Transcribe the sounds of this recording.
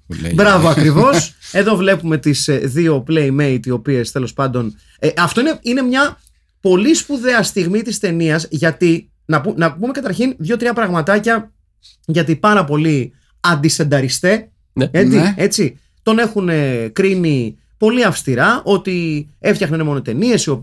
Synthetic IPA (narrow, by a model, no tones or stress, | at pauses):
bɾɐvoɐkɾivo̞se̞ðo̞vle̞pume̞t̪isðio̞plejme̞jt̪io̞pie̞st̪e̞lo̞spɐnd̪o̞n | eʔɐft̪oine̞ine̞mɲɐ | po̞lispuðe̞ɐst̪iɣmit̪ist̪e̞niɐzʝɐt̪i | nɐpunɐpume̞kɐt̪ɐɾçinðʝo̞t̪ɾiɐpɾɐɣmɐt̪ɐcɐ | ʝɐt̪ipɐɾɐpo̞li | ɐnd̪isθe̞nd̪ɐɾist̪e̞ | eie̞t͡si | t̪o̞ne̞xunekɾini | po̞liɐfst̪iɾɐʔo̞t̪ie̞ft̪çɐxnɐnemo̞no̞t̪e̞nie̞sio̞p